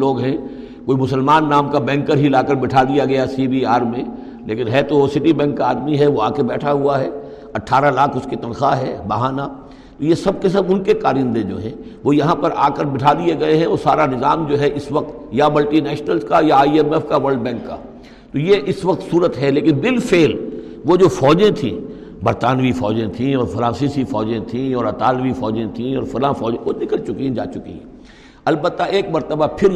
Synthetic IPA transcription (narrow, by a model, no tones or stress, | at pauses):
loːɡɦɛ̃ | koːimʊsəlmaːnːaːmkabɛ̃ːŋkːəɾɦilaːkəɾbɪʈʰad̪ijaɡɐjasiːbiaːɾmẽ | leːkɪnɦɛt̪osɪʈibɛ̃ːŋkːaaːd̪miɦɛʋoaːkebɛːʈʰaɦuaɦɛː | ɐʈʰaːɾalaːkʰʊskit̪ɐ̃nxaɦɛːbɐɦaːna | t̪ojesɐb̚kes̬ɐbʊnkekaːɾĩnd̪ẽd͡ʒo̰ːɦɛ̃ː | ʋojɐɦãpɐɾʔa̰ːkəɾbɪʈʰad̪ieɡɐeɦɛ̃ɔːɾsaːɾanɪzaːmd͡ʒoːɦɛʔɪsʋɐq̚t̪jamɐlʈinɛːʃnəlzkajaːiɛmɛfkaʋɐɾɖbɛ̃ːŋkːa̰ː | t̪ojeʔɪsʋɐq̚t̪suːɾət̪ɦɛleːkɪnbɪlfeːl | ʋod͡ʒoːfɔːd͡ʒẽt̪ʰḭ̃ː | bɐɾt̪aːnʋifɔ̰ːd͡ʒẽt̪ʰĩɔːɾfɐlãːsisifɔːd͡ʒẽt̪ʰĩɔːɾɐt̪aːlʋifɔːd͡ʒẽt̪ʰĩɔːɾfɐlãfɔːd͡ʒẽʋonɪkəlt͡ʃʊkiɦɛ̃d͡ʒa̰ːt͡ʃʊkḭɦɛ̃ | ɐlbət̪ːaʔeːk̚mɐɾt̪əbapʰɪɾ